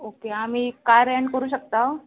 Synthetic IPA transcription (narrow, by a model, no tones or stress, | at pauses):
okeamiːkaɾəɳʈkəɾuːɕ̬ək̚t̪a